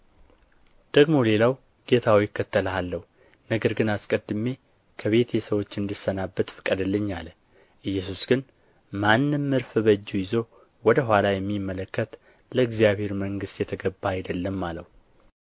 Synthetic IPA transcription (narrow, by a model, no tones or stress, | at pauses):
d̪̥əɡmo̞le̞law | ɡ̥e̞t̪ʰawjɪkːət̪ːəlalːəhu | nəɡəɾɡɨnaskʼəd̪ːɨme̞ | kʰəβe̞t̪ʰjɛsəwo̞t͡ʃːɨnd̪ɨsənabːət̪fɨ̥kʼːəd̪əlːəɲːalə | ʔɨjːɛsusɡ̥ɨn | manːɨmːɨɾfɨbəd͡ʒːujɪzo̞ | wɔd̪əɦʷalajɛmːimːələkːət̪ | ləɨɡzijaβhe̞ɾməŋɡɨst̪jɛt̪ʰəɡəbːaːjd̪əlːəmːaləhu